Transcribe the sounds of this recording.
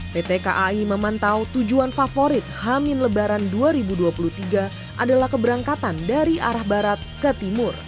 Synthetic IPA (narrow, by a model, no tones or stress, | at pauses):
p̪et̪ekaʔaiməmant̪awt̪ud͡ʒuanfafoɾɪt̪̚hamɪnləbaɾanduaɾibuduapulut̪iɡa | ʔadalahkəbəɾaŋkat̪andaɾia̰ɾahbaɾat̪̚kət̪imʊr